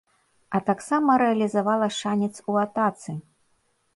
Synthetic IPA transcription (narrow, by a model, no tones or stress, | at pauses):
ɐt̪aksamɐɾɛɐlʲizavalˠɐʂanʲɛt̪suat̪at̪sɨ